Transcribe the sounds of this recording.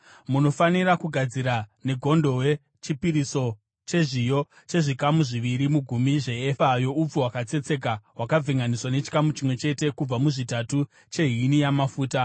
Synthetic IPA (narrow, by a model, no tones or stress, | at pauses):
muno̞fanirakuɡʱad͡ziɾane̞ɡʱo̞ndo̞we̞ | t͡ʃipiɾiso̞ | t͡ʃe̞ʐijo̞ | t͡ʃe̞ʐikamuʐiʋiɾimuɡʱumiʐe̞efajo̞up͡fuwakat͡se̞t͡se̞k̬awakab͡vʱiŋɡaniswane̞t͡ʃi̥kamut͡ʃimwe̞t͡ʃe̞te̞kub͡vamuʐitatu | t͡ʃe̞ɦinijamafuːta